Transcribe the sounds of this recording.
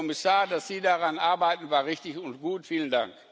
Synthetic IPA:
ɔmɪsaːɐdasz̥iːdaʁanʔaɐbaɪtn̩vaːɐʁɪçtɪçʊntɡ̥uːtfiːlənda̰ŋk

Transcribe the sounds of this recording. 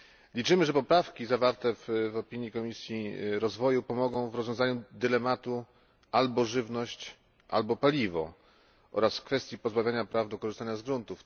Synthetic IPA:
lʲit͡ʂɘmɘʐɛpɔpɾafkʲizavaɾt̪ɛvvɔpʲiɲjikɔmʲisʲjiɾɔzvɔjupɔmɔɡɔ̃w̃vɾɔzvʲjɔ̃zaɲud̪ɘlɛmat̪u | ʔalbɔʐɘvnɔɕt͡ɕ | ʔa̰lbɔpalʲivɔ̰ | ʔɔ̰ɾasfkfɛst̪ʲjipɔzbavʲjaɲapɾavd̪ɔkɔʐɨst̪aɲazɡɾunt̪uf

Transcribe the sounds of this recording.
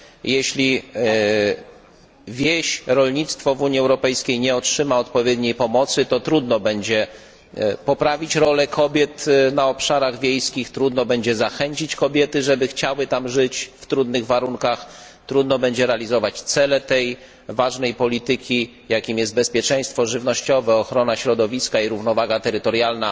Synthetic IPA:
jɛɕlʲi | vʲjeɕɾɔlɲit̪st̪fɔvuɲiɛwɾɔpɛjskʲejɲɛɔtʂɘmaɔt̪pɔvʲjɛd̪ɲejpɔmɔt̪sɘt̪ɔt̪ɾud̪nɔbɛɲd͡ʑɛ | pɔpɾavʲit͡ɕɾɔlɛkʰɔbʲjɛt̪naɔpʂaɾaɣvʲjejskʲixt̪ɾud̪nɔbɛɲd͡ʑɛzaxɛɲt͡ɕit͡ɕkɔbʲjɛt̪ɘʐɛbɘxt͡ɕawɘt̪amʐɘt͡ɕft̪ɾud̪nɘɣvaɾuŋkax | t̪ɾud̪nɔbɛɲd͡ʑɛɾɛalʲizɔvat͡ɕt̪sɛlɛt̪ɛj | vaʐnɛjpɔlʲit̪ɘkʲi | jakʲimjɛst̪bɛspʲjɛt͡ʂɛj̃st̪fɔʐɘvnɔɕt͡ɕɔvɛɔxɾɔnaɕɾɔd̪ɔvʲiskaiɾuvnɔvaɡat̪ɛɾɘt̪ɔɾjalna

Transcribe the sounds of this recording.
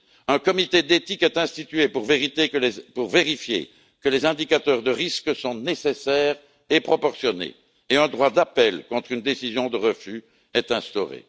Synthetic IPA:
œ̃kɔmit̪ed̪et̪ikɛt̪ɛ̃st̪it̪ɥepuʁveʁit̪ekəpuʁveʁifjḛ | kəlezɛ̃d̪ikat̪œʁd̪əʁiskəsɔ̃nesesɛːʁ | epχɔpɔʁsjɔnḛ | eɛ̃d̪ʁwad̪apɛlkɔ̃t̪χynd̪esizjɔ̃d̪əʁəfy | ɛt̪ɛ̃st̪ɔʁḛ

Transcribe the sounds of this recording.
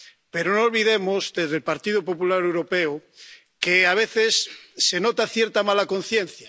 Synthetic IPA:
peɾonoːlβiðemozdezðelpaɾt̪iðop̬o̞pulaɾewɾopeo | keaβ̞eθesːenot̪aθjeɾt̪amalakonθjẽnθja

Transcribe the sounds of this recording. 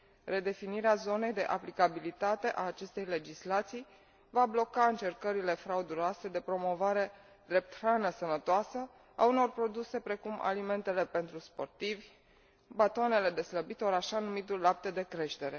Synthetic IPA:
re̞d̪e̞finiɾeazo̞ne̞jd̪e̞ʔaplikabilit̪at̪e̞ʔaːt͡ʃe̞st̪e̞jle̞d͡ʒislat̪sij | vablo̞kaɨnt͡ʃe̞rkəɾile̞fɾaud̪uɾoase̞d̪e̞pɾo̞mo̞vaɾe̞ | d̪ɾe̞p̚t̪ɾanəsənət̪oasə | auno̞rpɾo̞d̪use̞pɾe̞kuma̰lime̞nt̪e̞le̞pe̞nt̪ɾuspo̞̰rt̪ivʲ | bat̪oane̞le̞d̪e̞sləbit̪oɾaʃanumit̪ullap̚t̪ed̪e̞kɾe̞ʃt̪e̞ɾe̞

